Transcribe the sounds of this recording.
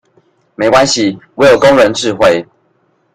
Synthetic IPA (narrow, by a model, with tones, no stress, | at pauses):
me˨˥ɪkwa˦nɕi˨we˨˧˦ɪjo˨˩ʊko˦ŋɻə˨˦nʈ͡ʂɻ̩˥˧xwe˥˨ɪ